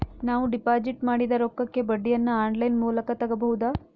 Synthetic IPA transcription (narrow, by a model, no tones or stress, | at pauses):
naːʋuɖipaːd͡ʒiʈmaːɽid̪ɐɾokːɐkːe̞bɐɖːijɐnːɐaːɳɖlɐjnmuːlɐkɐt̪ɐɡɐbɐɦud̪aː